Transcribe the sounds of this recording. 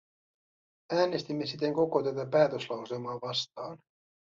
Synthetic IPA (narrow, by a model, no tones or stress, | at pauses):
æːne̞st̪imːe̞sit̪eŋko̞kot̪æt̪æpæːt̪øslɑwse̞lmɑːʋɑst̪ɑːn